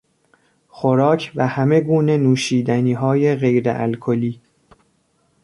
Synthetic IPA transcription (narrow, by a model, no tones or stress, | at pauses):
xoɾɒːcʰvæhæme̞ɡuːne̞nuːʃiːd̪æniːɦɒːje̞ɣe̞jɾḛʔæ̰lkʰoliː